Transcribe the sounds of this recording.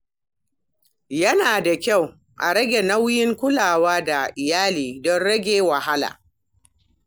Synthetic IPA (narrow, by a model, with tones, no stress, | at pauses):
jɐ˦naː˨da˨kʲa˦˨w | ʔa̰˨ɽɐ˦ɡʲe˨na˦wjɪ˦ŋkʷʊ˦laː˨waː˦da˨ʔɪ˨jaː˦liː˨dɔ˦nɽɐ˦ɡʲeː˦wa˨ha˦la̰ː˨